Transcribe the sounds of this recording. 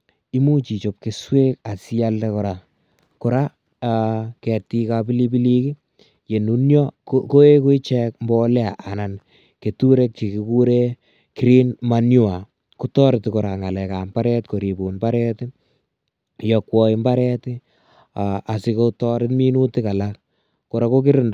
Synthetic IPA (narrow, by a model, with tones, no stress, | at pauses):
i˦mu˦t͡ʃi˨t͡ʃo˨p̚ke˦swe˦k̚a˨si˦a˦lde˦kʊ˨ɾa˨ | kʊ˨ɾa˦ | kɛ˨ti˧kabi˦li˦bi˦li˦ki˦ | je˨nu˨njɔ˦ko˦e˦ku˦i˦t͡ʃɛ˦k̚mbɔ˦lɛ˦a˨ʔa˨na˨n | ke˨tu˦ɾe˦k̚t͡ʃi˨ki˧ku˦ɾe˦ | ki˦ɾi˦nmanjʊ˦a˨ | ku˦tɔ˦ɾɪtkʊ˨ɾa˨ŋa˨lɛ˨ka˨mba˦ɾɛ˦tko˨ɾi˨bu˨nba˦ɾɛ˦tɪ˦ | jɔ˧kwɔ˦i˦mba˦ɾɛ˦tɪ | aa˨si˧ko˦tɔ˦ɾɪ˦tmi˦nu˦ti˦ka˨la˦k | ko˨ɾa˦ko˦k̬ɪ˦ɾɪ˦nd